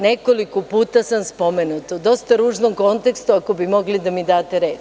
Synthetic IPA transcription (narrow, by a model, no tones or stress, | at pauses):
ne̞kolikopuːt̪asamspo̞menut̪ud̪o̞st̪aɾuːʒnomko̞nt̪e̞kst̪uako̞bimo̞ɡlid̪amid̪aːt̪eɾeːt̪